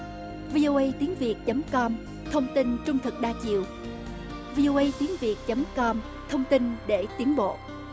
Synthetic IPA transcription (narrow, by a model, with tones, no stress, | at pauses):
vi˧ʔo˧ʔə˧jt̪i˨˦ənvi˨˩ək̚t͡ɕə˨˦mkɔ˧m | t̪ʰə˧wŋ͡mt̪i˧nt͡ɕʊ˧ŋ͡mt̪ʰɨ˨˩k̚ɗaː˧t͡ɕḭ˧˨əw | vi˧ʔo˧ʔə˧jt̪i˨˦ənvi˨˩ək̚t͡ɕə˨˦mkɔ˧m | t̪ʰə˧wŋ͡mt̪i˧nɗe˧˩t̪i˨˦ənɓo̰˧˨